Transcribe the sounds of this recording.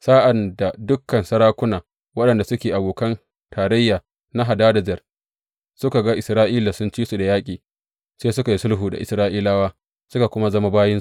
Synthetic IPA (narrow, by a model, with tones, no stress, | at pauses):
saː˦ʔa˨nda˨dʊ˦kːɐ˨nsɐ˦ɾaː˦kʷʊ˦naː˨ | wɐ˦ɗɐ˨nda˨sʊ˦kʲeː˨ʔa˨boː˨kɐ˦n | tʰaː˨ɾɐ˦jːaː˨ | na˦ɦa˨daː˦dɐ˨d͡ʒɛ˨r | sʊ˦ka˨ɡa˦ʔɪ˨sɾaː˦ʔiː˦la˨sʊ˦nt͡ʃiː˦su˨da˨jaː˦kʲʼiː˨ | seː˦sʊ˦ka˨ji˦sʊ˦lɦuː˨da̰˨ʔɪ˨sɾaː˦ʔiː˦laː˦waː˦ | sʊ˦ka˨kʷʊ˦ma˦zɐ˦ma˦baː˦jɪ˦nsu˦˨